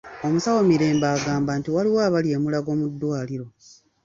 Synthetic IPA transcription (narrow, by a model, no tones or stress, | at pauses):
o̞musawo̞miɾe̞ːmbaːɡaːmbantiwaliwaːβalje̞ːmulaɡo̞ːmudːwaːliɾo̞